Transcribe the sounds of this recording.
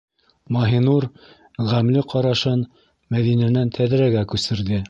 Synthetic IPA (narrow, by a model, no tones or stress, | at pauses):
mɑɦinuɾ | ʁæmlɘqɑɾɑʃɤn | mæðinænænt̪ʰæðɾæɡækʉsɘ̆ɾðɘ